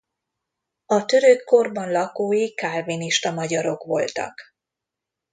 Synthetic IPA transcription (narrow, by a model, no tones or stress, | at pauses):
ɒt̪ø̞ɾøkʰːo̞rbɒnlɒkoːjikarviniʃt̪ɒmɒɟɒɾo̞kʋo̞lt̪ɒ̰k